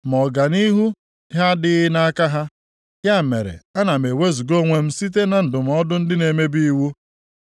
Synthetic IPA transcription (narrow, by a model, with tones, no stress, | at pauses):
mɔ˨ɡa˨ni˦ɦu˦ | ɦa˦dɪ˦na˦ka˦ɦa˦ | ja˦˨mḛ˨ɾḛ˨a˦na˨m˨e˨we˦zu˨ɡo˦ŋʷe˦m̩˦si˦t̬e˦na˨n̩˨dʊ˨m̩˨ɔ˦dʊ˦n̩˦dɪ˦ne˨me˦bi˦i˦wu˦